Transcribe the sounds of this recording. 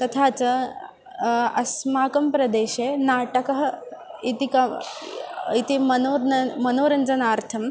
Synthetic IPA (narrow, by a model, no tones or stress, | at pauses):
t̪ɐt̪ʰaːt͡sɐ | ɐsmaːkɐmpɾɐd̪eːɕeːnaːʈɐkɐɦɐit̪ikɐ | it̪imɐnoːɾnɐmɐnoːɾɐɲd͡zɐnaːɾt̪ʰɐm